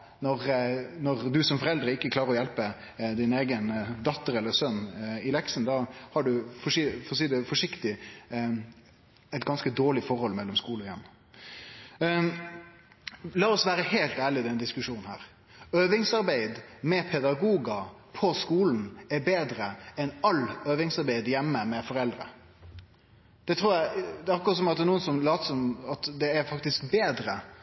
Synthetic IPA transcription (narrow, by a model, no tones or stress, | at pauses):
nɔʁnɔʁd̪ʉsɔmfɔɾɛld̪ɾəɪkːəkʰlɑːɾəɾɔjɛlpə | d̪ɪneːɡənd̪ɑt̪ːəɾɛlːəsœnːɪlɛksn̩d̪ɑhɑɖʉfɔfɔs̬iːd̪ɛfɔʂɪkt̪ɪ | ɛt̪ɡɑnskəd̪oːɭɪfɔɾhɔlmɛlːɔmskuːlɔjɛ̰mː | lɑːɔsʋæːɾəheɪlt̪æːɭɪd̪ɛnəd̪ɪskʉʂuːnn̩hæ̰ːɾ | øːʋɪŋsɑɾbæɪd̪mɛpʰɛd̪ɑɡuːɡɑ | pʰɔskuːln̩ɛɾbeːd̪ɾəɛnɑløːʋɪŋsɑɾbæɪd̪jɛmːəmɛfɔɾɛld̪ɾə̰ | d̪̥ɛt̪ʰɾuːjæd̪ɛɑkːʊɾɑt̪sɔmɑt̪nuːənsɔmlɑːt̪əsɔmɑt̪d̪ɛæɾfɑkt̪ɪskbeːd̪ɾə